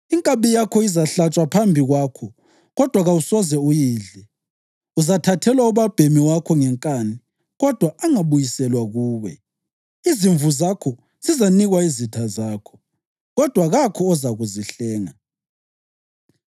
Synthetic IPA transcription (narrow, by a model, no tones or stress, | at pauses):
iŋkʼaβijakʰɔizaɬat͡ʃʼwapʰambʱiɣwaːkʰɔ | ɣɔd̥ʱwaɣausɔzɛujiːɮɛ | uzatʰatʰɛlwauβab̥ʱemiwakʰɔŋɛŋkʼani | ɣɔd̥ʱwaaŋaβujisɛlwaɣuːβɛ | iziɱvuzakʰɔ | z̥izaniɣwaizitʰazaːkʰɔ̥ | ɣɔd̥ʱwaɣakʰɔːzaɣuziɬɛːŋa